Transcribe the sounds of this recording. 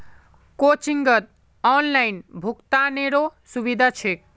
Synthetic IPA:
kot͡ʃiŋɡət̪̚ | ɔnlainbʱukt̪aneɾosubid̪ʱat͡ʃʰek̚

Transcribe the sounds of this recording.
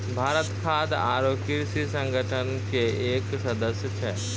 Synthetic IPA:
bʱaːɾət̪kʰaːd̪a̰ːɾoːkiɾsisə̃ŋɡəʈʰənkeeːksɐd̪əsjət͡ʃʰɛː

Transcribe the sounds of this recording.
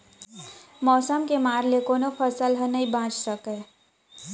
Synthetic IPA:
mɔːsəmkemaːɾlekoːnofʰəsəlɦənəibãːt͡ʃsəkẽː

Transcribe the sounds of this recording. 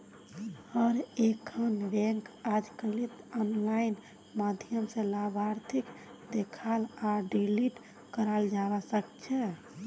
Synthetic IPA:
əɾekʰənbɛ̃ŋkad͡ʒkəlit̪ɔnlain | mad̪ʱjəmsẽlabʱaɾt̪ʰik | d̪ekʰalaɖiliʈ | kəɾald͡ʒabasəkt͡ʃʰɛ

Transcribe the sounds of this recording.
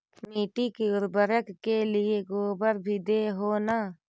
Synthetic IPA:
miːʈikiʊɾbəɾəkkelɪeɡoːbəɾbʱid̪eːɦoːna

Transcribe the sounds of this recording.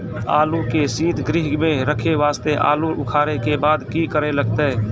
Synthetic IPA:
a̰ːlukesiːt̪ʰɡɾɪɦɡmẽɾəkʰeʋaːst̪eʔa̰ːluʔʊkʰaːɾekebaːd̪kikəɾeləɡt̪e

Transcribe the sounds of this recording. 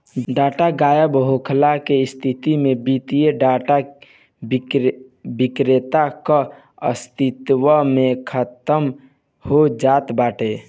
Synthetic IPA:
ɖaːʈaɡaːjəbɦokʰlakest̪ʰit̪imẽbit̪ijeɖaʈa | bikɾet̪aka | əst̪it̪wəmẽkʰət̪əm | hod͡ʒaːt̪baːʈe

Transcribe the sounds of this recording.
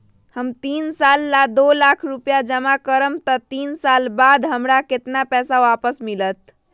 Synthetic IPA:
həmt̪insalːad̪olakʰɾupjad͡ʒəmakəɾəmt̪ət̪insalbad̪ʱɦəmɾaket̪napɛsaʋapəsmilət̪̚

